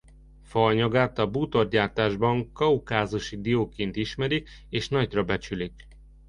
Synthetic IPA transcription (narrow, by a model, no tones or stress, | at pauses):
fɒɲɒɡaːt̪ɒbuːt̪o̞rd̪ɟaːrt̪aːʒbɒŋkɒukaːzuʃid̪ioːkeːnt̪iʃmɛɾik | eːʃnɒɟrɒbɛt͡ʃylik